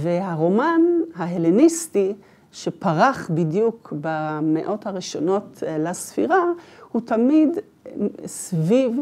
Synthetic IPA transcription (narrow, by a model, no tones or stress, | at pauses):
veɦaʁo̞manɦaɦelinisti | ʃepaʁaχbidjukbameʔo̞thaʁiʃo̞no̞tlasfḭʁahutamid | sviv